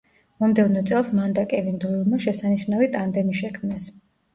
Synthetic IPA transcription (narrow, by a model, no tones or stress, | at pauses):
mɔmd̪ɛvnɔt̪sʼɛlˠsmand̪akʼɛvind̪uilˠmaʃɛsaniʃnavit̪ʼand̪ɛmiʃɛkʰmnɛs